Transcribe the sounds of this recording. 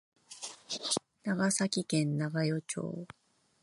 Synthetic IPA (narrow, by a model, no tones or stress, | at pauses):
naɡasakʲikẽ̞nːaɡajo̞t͡ɕo̞̰ː